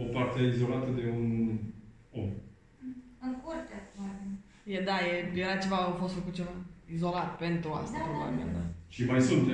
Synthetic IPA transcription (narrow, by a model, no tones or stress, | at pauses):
opart̪eizo̞lat̪əd̪e̞un | om | əkort̪aaɾ | jed̪ajejeɾat͡ʃe̞vaofo̞st̪fəkut̪̚t͡ʃe̞vaizo̞lat̪pe̞nt̪ɾua̰st̪apɾoba̰mia̰d̪aʃimajsunt̪